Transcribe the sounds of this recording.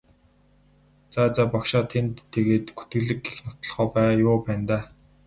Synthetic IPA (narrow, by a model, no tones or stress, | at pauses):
t͡sat͡sapɔkʃaːt̪ʰent̪ʰːeɣeːt̪ɡut̪ɡɘ̆ɮɘ̆kixnʊt̪ɞ̆ɮχɔːpæːjʊːpæːnt̪aː